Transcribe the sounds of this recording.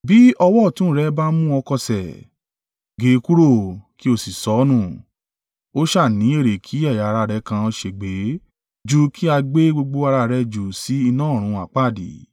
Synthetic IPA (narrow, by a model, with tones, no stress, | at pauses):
bi˦ɔ˧wɔ˦˨tũ˨˦ɾɛ˦ba˦mũ˦ɔ˧kɔ˧sɛ˨ | ɡe˨˦˧ku˦ɾo˦˨ki˦o˧si˨sɔ˨˦nũ˦˨ | o˦ʃa˦˨nĩ˨˦e˦˨ɾe˨kʰi˨˦a˦˨ja˨˧ɾa˧˨ɾɛ˧˦kã˧o˧ʃe˧˨ɡ͡be˨˦ | d͡ʒu˦kʰi˦a˧ɡ͡be˦ɡ͡bo˧ɡ͡bo˧a˧ɾa˧˨ɾɛ˧d͡ʒu˨si˨˦i˧nãː˦˨ɾ̃ũ˨˧a˨k͡pa˦˨dḭ˨˦